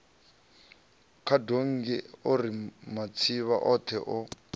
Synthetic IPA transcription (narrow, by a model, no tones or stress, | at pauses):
kʰadoŋ̩ɡɛorimat͡sʰiβa̰ʔɔtʰɛʔɔ